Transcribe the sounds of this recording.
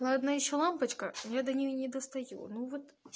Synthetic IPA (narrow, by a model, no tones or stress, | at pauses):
lˠad̪najɪɕːolˠampət͡ɕkəjad̪ɐnʲɪjonʲɪd̪əst̪ɐjṵnuvot̪